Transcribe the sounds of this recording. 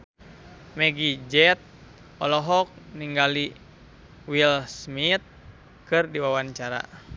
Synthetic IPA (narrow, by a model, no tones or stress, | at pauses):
mɛɡid͡ʒɛt̪̚ | ɔlɔɦɔk̚niŋɡali | wilsmit̪̚ | kɨrdiwawant͡ʃaɾa̰